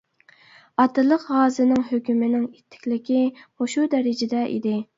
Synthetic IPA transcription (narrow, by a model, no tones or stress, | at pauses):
ɑt̪ːɨlˠəqɦɑːzɨnɪŋɦøkʲymɪnɪŋit̪ʰːɪ̥kʲlɪkʲihoʃud̪ɛɾɪd͡ʒɪd̪ɛʔḭd̪ɪ